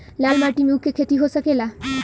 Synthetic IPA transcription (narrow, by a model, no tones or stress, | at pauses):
lalmaʈimukːekʰet̪iɦosakela